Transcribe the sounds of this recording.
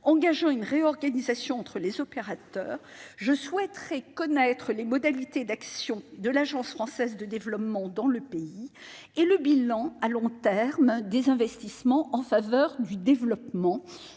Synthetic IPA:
ɑ̃ɡaʒɑ̃ynʁeɔʁɡanizasjɔ̃ɑ̃t̪χəlezɔpeʁat̪œ̰ːʁʒəswɛt̪χɛkɔnɛt̪χəlemɔd̪alit̪ed̪aksjɔ̃d̪əlaʒɑ̃sfχɑ̃sɛzd̪əd̪evlɔpmɑ̃d̪ɑ̃ləpei | eləbilɑ̃alɔ̃t̪ɛʁmd̪ezɛ̃vɛst̪ismɑ̃ʔɑ̃favœʁd̪yd̪evlɔpmɑ̃

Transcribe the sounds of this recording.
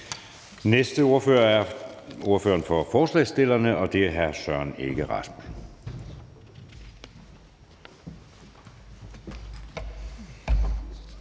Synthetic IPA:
nesd̥əo̝ɐføːɐæɐo̝ɐfø̰ːɐnfɒ̽fɒːslɛ̰ːsd̥e̝l̰ɐnəʔɒ̽d̥e̝ɦæɐsœɐneɡ̥əʁɑ̈smun

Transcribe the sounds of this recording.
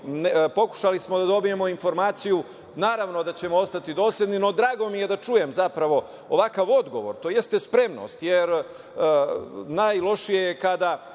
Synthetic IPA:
npo̞ku̥ʃalismo̞d̪ad̪o̞bije̞mo̞info̞ɾmaːt̪siju | naːɾaʋno̞d̪at͡ɕe̞moo̞st̪at̪id̪o̞ːslʎʲed̪nino̞d̪ɾaːɡo̞mije̞d̪at͡ʃuje̞mzapɾaʋo̞ | oʋakaʋo̞d̪ɡo̞ʋo̞̰ɾt̪ojest̪e̞spɾe̞mno̞̰st̪jeɾ | najlˠo̞ʃijejekad̪a

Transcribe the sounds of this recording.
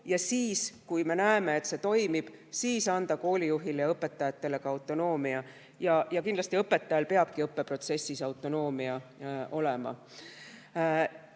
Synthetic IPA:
jɑsiːskujme̞næeme̞et̪se̞t̪o̞jmib̥siːsɑnd̪̥ɑko̞ːlʲijuɦilejɑɤpːˑe̞t̪ːˑɑjɑt̪ːe̞le̞ɡ̥ɑɑwt̪ːˑo̞no̞ːmiɑ | jɑjɑkind̪lɑsʲt̪iɤpːe̞t̪ːˑɑjɑlpe̞ɑb̥kiɤpːe̞pro̞t̪se̞sːisɑwt̪ːˑo̞no̞ːmiɑo̞lemɑ̰

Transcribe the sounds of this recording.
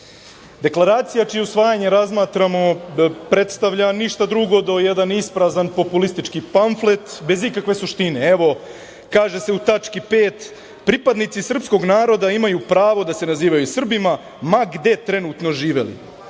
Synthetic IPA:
d̪e̞klˠaɾaːt̪sijat͡ʃijeusʋaːjaɲe̞ɾazmaːt̪ɾamo̞pɾe̞t̪st̪aʋʎaniʃt̪ad̪ɾuɡo̞d̪o̞jed̪anispɾazanpo̞pulist̪it͡ʃkipaɱflet̪be̞zikakʋe̞suʃt̪ine̞eʋo̞ | kaːʒe̞se̞ut̪at͡ʂkipeːt̪ | pɾipad̪nit̪sisr̩psko̞ɡnaːɾo̞d̪aimajupɾaːʋo̞d̪ase̞naziːʋajusr̩bima | maɡd̪e̞t̪ɾe̞nuːt̪no̞ʒiːʋe̞̰lḭ

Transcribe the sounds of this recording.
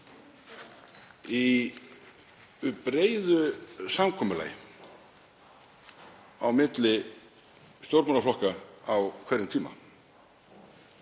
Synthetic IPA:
i | pɾeːjðʏsamkʰɔːmʏla̰ːj | awmɪt̪lɪ | st̪owɾpmɔnaflɔhkaawkʰvɛɾɪmt̪ʰiːma̰

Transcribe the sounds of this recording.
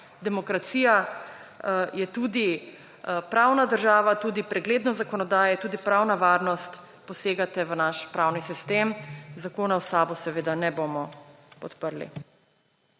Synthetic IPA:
d̪ɛmɔkɾat̪siːja | jɛt̪uːd̪i | pɾawnad̪əɾʒaːʋat̪uːd̪ipɾɛɡleːd̪nɔzakɔnɔd̪aːjɛjt̪uːd̪ipɾawnaʋaːɾnɔst̪ | pɔseːɡat̪ɛʋənaʃpɾawnisist̪emzakoːnawsaːbusɛʋeːd̪anɛbomɔ | pɔt̪pəɾlḭ

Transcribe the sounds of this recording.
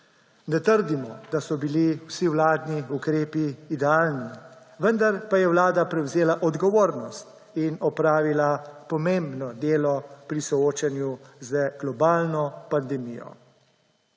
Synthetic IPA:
nɛt̪əɾd̪imɔd̪asɔbiliwsiwlaːd̪niukɾeːpiːd̪ɛaːlni | ʋənd̪aɾpajɛwlaːd̪apɾɛwzeːlaʔɔd̪ɡɔʋoːɾnɔst̪ | inɔpɾaːʋilapɔmẽmbnɔd̪eːlɔpɾisɔoːt͡ʃanjuzəɡ̥lɔbaːlnɔpand̪ɛmijɔ̰

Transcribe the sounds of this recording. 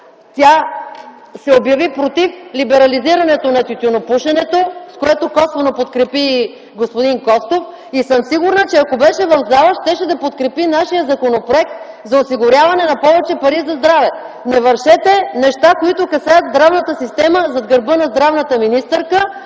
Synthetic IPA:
t̪ʲa | sɛobjɐvipɾot̪iflibɛɾɐliziɾɐnɛt̪onɐt̪ʲut̪ʲunopuʃɛnɛt̪oskoɛt̪okɔsvonopot̪kɾɛpi | ɡospod̪inkɔst̪of | isɤmsiɡʊɾnət͡ʃɛɐkobɛʃɛvɐvzalˠəʃt̪ɛʃɛd̪ɐpot̪kɾɛpinaʃijəzɐkonopɾoɛk̚t̪̚ | zɐosiɡʊɾʲavɐnɛnɐpɔvɛt͡ʃɛpɐɾizɐzd̪ɾavɛ | nɛvɐɾʃɛt̪ɛnɛʃt̪akoit̪ʊkɐsajəd̪zd̪ɾavnət̪əsist̪ɛməzɐd̪ɡəɾbɤnɐzd̪ɾavnət̪əminist̪ɛɾkə

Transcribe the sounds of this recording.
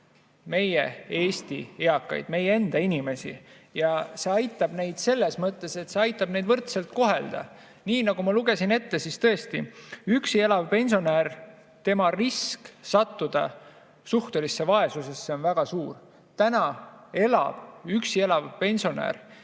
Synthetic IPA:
me̞jee̞ːst̪ieɑkːˑɑ̰jd̪̥me̞jee̞nd̪̥ɑinime̞sḭ | jɑse̞ɑjt̪ːˑɑb̥ne̞jd̪̥se̞lːe̞smɤt̪ːˑe̞se̞t̪se̞ɑjt̪ːˑɑb̥ne̞jd̪vɤrt̪se̞lt̪̚ko̞ɦe̞ld̪̥ɑ̰ | niːnɑɡ̥umɑluɡ̥e̞sine̞t̪ːe̞sist̪ɤe̞st̪iyksie̞lɑvpe̞nʲsonæːr | t̪e̞mɑrisksɑt̪ːud̪̥ɑ̰ | suht̪olisːe̞vɑe̞suse̞sːeo̞nvæɡ̥ɑsuːr | t̪ænɑe̞lɑ̰b̥yksie̞lɑvpe̞nʲsio̞næ̰ːr

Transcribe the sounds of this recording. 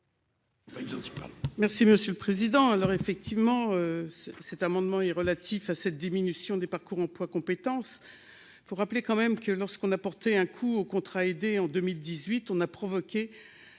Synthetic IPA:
baiɑ̃ipa̰mɛʁsiməsjølpχezid̪ɑ̃alɔʁefɛk̚t̪ivmɑ̃øssɛt̪amɑ̃d̪mɑ̃ɛʁəlat̪ʰifasɛt̪̚d̪iminysjɔ̃d̪epaʁkuʁɑ̃plwakɔ̃pet̪ɑ̃s | ifoʁaplekɑ̃mɛmkəlɔʁskɔ̃napɔʁt̪ɛɛ̃kʰuokɔ̃t̪χaed̪eɑ̃d̪ømild̪izɥit̪ɔ̃napχɔvɔkʲe

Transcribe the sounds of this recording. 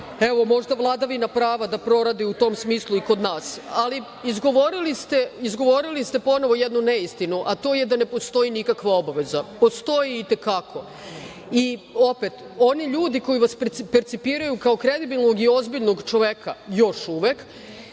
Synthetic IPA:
e̞ʋo̞mo̞ʒd̪avlˠad̪aʋinapɾaːʋad̪apɾo̞ɾad̪iut̪o̞msmiːslˠuiko̞d̪naːsali | izɡo̞ʋoɾilist̪eizɡo̞ʋo̞ɾilist̪e̞po̞no̞ʋo̞jed̪nuneist̪inuʔat̪o̞ːjed̪ane̞po̞st̪o̞inikakʋao̞baʋe̞zapo̞st̪o̞jiːt̪e̞kakʰo̞ | io̞pet̪ | o̞niʎuːd̪iko̞jiʋasppeɾt̪sipiːɾajukao̞kɾe̞d̪ibilno̞ɡio̞zbiʎno̞ɡt͡ʃo̞ʋekʰajo̞ʃuːʋek

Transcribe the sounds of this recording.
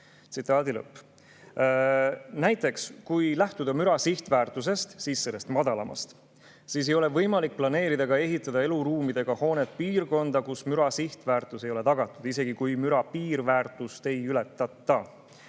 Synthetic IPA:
t̪sit̪ːˑɑːd̪ilɤ̰pː | næjt̪ːˑe̞kskujlæht̪ud̪̥ɑmyɾɑsiht̪væːrt̪ˑuse̞st̪siːsːe̞lːe̞st̪mɑd̪̥ɑlɑmɑ̰st̪ | siːs̬e̞jo̞le̞vɤjmɑlik̚plɑne̞ːɾid̪̥ɑɡɑe̞ɦit̪ːˑɑd̪ɑe̞luɾuːmid̪̥e̞ɡ̥ɑho̞ːne̞t̪̚piːrko̞nd̪̥ɑkusmyɾɑsiht̪væːrt̪ːˑusejo̞le̞t̪ɑɡ̥ɑt̪ːˑud̥̪ise̞ɡ̥ikujmyɾɑpiːɾvæːrt̪ːˑust̪e̞jyle̞t̪ːˑɑt̪ːɑ

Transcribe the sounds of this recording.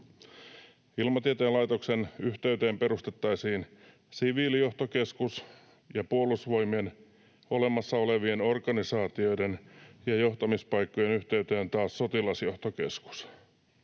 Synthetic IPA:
ilmɑt̪iet̪eːlɑjt̪oksenyht̪eyt̪eːmpe̞ɾust̪e̞t̪ːɑisiːn | siʋiːlijo̞ht̪oke̞skus | jɑpuolusʋo̞jmien | o̞le̞mɑsːɑo̞leʋieno̞rkɑnisɑːt̪io̞jdenjɑjo̞ht̪ɑmispɑjkːojenyht̪eyt̪eːnt̪ɑːsːo̞t̪ilɑsjo̞ht̪oke̞sku̥s

